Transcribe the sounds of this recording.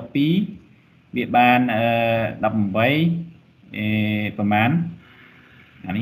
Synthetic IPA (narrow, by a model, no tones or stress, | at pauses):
pːiː | ʋiəɓaːnʔəːɗɑpːmɓəj | ʔəpɑmaːn | ʔaːnɨ